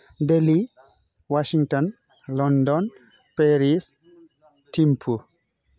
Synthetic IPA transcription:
deli | waʃiŋtɔn | lɔndɔn | peɾis | timpʰu

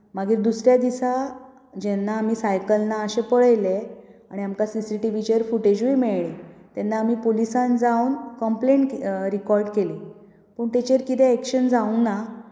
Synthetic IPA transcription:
maɡiːɾd̪usɾjad̪isa | d͡ʑɛnːaːmiːsajkəlnaəɕepəɭəjleaɽ̃iamkasisiʈiʋit͡ɕeɾfuʈed͡ʑʋimeɭɭit̪ɛnːaːm̤iːpolisãnd͡zaunkəmplẽɳʈɾikɔɾɖkeli | pəɳt̪et͡ɕeɾkit̪ʰɛːkɕənd͡zauna

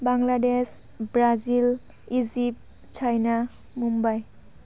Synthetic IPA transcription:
baŋlades | bɾazil | izip̚ | t͡ʃʰajna | mumbaj

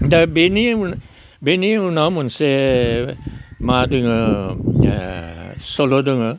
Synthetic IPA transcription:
d̪abeni | beniunamunse | madəŋə | solodəŋə

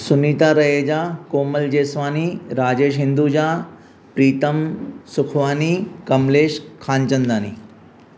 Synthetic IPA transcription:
sʊnit̪aːɾɐɦeːd͡ʒaːkoːməld͡ʒeːsʋaːniɾaːd͡ʑeːʃ̬ɦɪnd̪uːd͡ʒaː | pɾiːt̪ɐmsʊkʰʋaːnikɐmleːʃkʰaːnt͡ʃɐnd̪aːnḭː

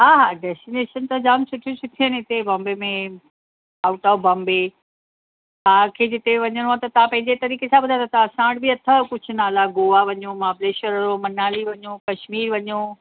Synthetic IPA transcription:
ɦaːɦaːɖɛːsʈineːʃənt̪ad͡ʑaːmsʊʈʰjusʰuʈ̪ʰiənɪt̪ebɐ̃mbemẽ | aːʊʈɔːbɐ̃ːmbe | t̪ãːkʰeːd͡ʑɪt̪eʋɐɲəɽ̃oaːt̪ɐt̪ɐ̤ãpɐ̃ɦɪ̃ɲd͡ʑet̪ɐɾiːkesãbɐd̪ʱat̪ʰat̪ãsãːɽbiɐt̪ʰəkʊd͡ʑʱʊnaːlaɡoːʋaʋɐɲomaːpleːʃəɾɾomɐnaːliʋɐɲoːkɐʃmiːɾʋɐɲo

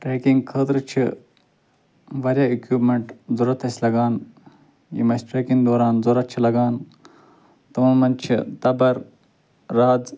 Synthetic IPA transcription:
ʈɾeːkiŋɡkʰəːt̪ɾɨt͡ʃʰi | ʋɐɾʲjaːikjuːpmeɳʈzoɾɐt̪ʰɐsʲlɐɡaːn | jḭmɐsʈɾeːkiŋɡd̪oːɾaːnzoɾɐt̪̚t͡ʃʰilɐɡaːn | t̪ɐmuːmɐnt͡ʃʰḭt̪ɐbɐɾː | aːd͡z

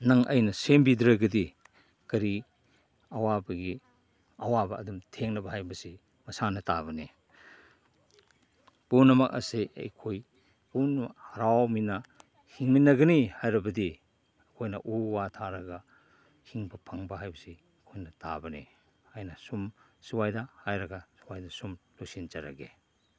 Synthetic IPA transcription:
nɐŋɐ̰jnɐsembidɾɐɡɐdi | kɐɾi | ɐwabɐɡi | ɐwabɐ̰ːdumtʰeŋnɐbɐɦajbɐsi | mɐsanɐtaβɐne | punːɐmɐk̚ɐ̰seɐ̰jkʰoj | punhɐɾawminɐ | hiŋminːɐɡɐnihajɾɐbɐdi | ɐkʰojnɐ̰ʔuwatʰaɾɐɡɐ | hiŋbɐpʰɐŋbɐɦajbɐsi | kʰojnɐta̰bɐne | ajnɐsum | suwajdɐhajɾɐɡɐsuwajdɐsumlosint͡ʃɐɾɐ̰ɡḛ

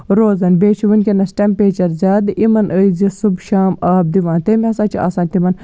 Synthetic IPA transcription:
ɾoːzɐnbeːt͡ʃʰuʋɐnkʲinɐsʈɐmpeːt͡ʃɐɾzʲaːd̪imɐnʔəizisubʃaːmaːb̚d̪iʋãːnt̪emʲɐsãːt͡ʃiʔa̰ːsãːnʲt̪imɐn

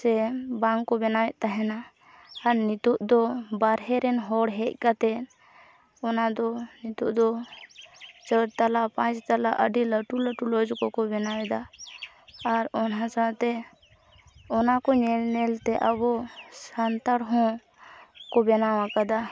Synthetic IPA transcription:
sɛbaŋkɔbɛnawɛʔ̪̚t̪aɦɛnaː | ɾnit̪uʔd̪ɔbaɾɦɛɾɛnɦɔɽɦɛc̚ˀkat̪ɛ | ɔnad̪ɔnit̪uʔd̪ɔ | t͡ʃəɾt̪alapãt͡ʃt̪alaʔəɖiləʈuləʈulɔd͡ʒkɔkɔbɛnawɛd̪aː | ɾɔnãsat̪ɛ | ɔnakɔɲɛlnɛlt̪ɛʔəbɔsənt̪aɽɦɔ̃ | kɔbɛnawakad̪a

